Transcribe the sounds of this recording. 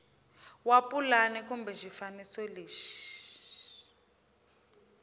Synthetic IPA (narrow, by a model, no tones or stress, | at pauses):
wapulanɛkumbɛʒifanisɔleːʃi̥